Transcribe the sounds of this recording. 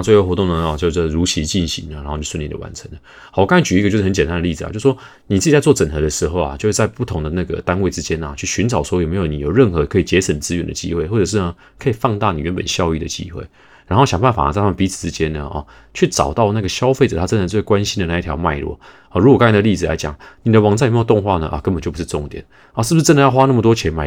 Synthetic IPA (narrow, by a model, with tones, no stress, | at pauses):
t͡swɪjo˥˩wɔ˧˥t̪̬ʊ˥˩ŋd̪ə˩ɔ˧t͡ɕo˥˧ʂ̩˥˩˨ɻu˧˥t͡ɕʰi˧˥t͡ɕi˥˩nɕḭ˧˦ŋə˨˩ɻxo˥˧t͡ɕo˥˧ʂnljɛ˥˩ə̰˧wa̰˧˦nt͡sʰə˧˦ŋə˨˩ | wɔ˩kɑ˥ŋa˥t͡ɕy˨i˥ə˩t͡ɕo˥˧ʊʂ̩˥˩˧nt͡ɕjɛ˨˩nt̪a˥nd̪ə˧li˥˩d͡zɹ̩̰˨t͡ɕjo˥˩ʂ̩˩ʂwɔ˥ | ni˨˩t͡sɹ̩˥˩t͡ɕi˨˩t͡sa˥ɪt͡swɔ˥˩t͡sə˨˩nxɤ˧˥d̪ə˧ʂɻ̩˧˥xo˥˩ʊa̰˨t͡ɕjʂ̩˥˧˩t͡sa˥˧ɪpu˥˩t̪ʰʊ˧˥ŋd̪ə˨na˥˩ɡə̰˨˩t̪a˥nwe˥˩ɪʈ͡ʂɻ̩˥t͡ɕjɛ˥na˨t͡ɕʰy˥˩ɕy˧˥nʈ͡ʂɑ˨˩ʊʂwjme˧˥jo˨˩˦ni˨˦jo˨˩ʊɻə˥˩nxɤ˧˦kʰɤ˧˥i˨˩t͡ɕjɛ˧˥t͡sʰə˨˩nt͡sɹ̩˥ɥɛ˧˥nd̪ə̰˨t͡ɕḭ˥xwe˥˩ɪxwɔ˥˩ʈ͡ʂɤ˨˩ʂ̬̩˥˩nə˩ | kʰɤ˧˥i˨˩fɑ˥˧ŋt̪a˥˩nḭ˨˩ɥɛ˧˦npə̰˨˩nɕjɑ˥˧ʊy˥˩d̪ə̰˨˩t͡ɕḭ˧˥xwe˥˩ɪ | ɻa˧˥nxo˥˩ʊɕjɑ˨˩ŋba˥˩nfa̰˨˩˨t͡sa˥˩tʰmə˨pi˨˥t͡sʰɹ̩˨˩ʈ͡ʂɻ̩˦˥t͡ɕjɛ˦˥nə˨ɔ̰˥˩ | t͡ɕʰy˥˩ʈ͡ʂɑ̰˨˩ʊt̪ɑ˥˧ʊna˥˩ɡə˩ɕjɑ˥ʊfe˥˩ə˨˩t̪ʰa˥ʈ͡ʂə˦nd̪ə˧˩t͡swe˥˩ɪkwa˦nɕi˥nd̪ə˨na˥˧i˥˩t̪ʰjɑ̰˧ʊma˥˧ɪlwɔ̰˥˩ | ɔ˧˩ɻu˧˥kwka˥n˥˩ə˧li˥˩d͡zɹ̩˩la̰˧˦ɪt͡ɕjɑ̰˨˩ŋni˨˩d̪ə˦wɑ˨˦ŋt͡sa˥˩˨me˥jo˨˩t̪o˥˧ŋxwa˥˩nə̰˩ʔɐ̰˨kə˦˥npə˨˩nt͡ɕjpu˩ʂɻ̩˥˧ʈ͡ʂʊ˥˧ŋt̪jɛ̰˨˩˦n˧˩ | ʂ̩˥˩bu˩ʂ̩˥˧ə˦nd̪ə˧jɑ˥˩ʊxwa˥na˥˩mə˨˩t̪wɔ˥t͡ɕʰjɛ˧˥nma˨˧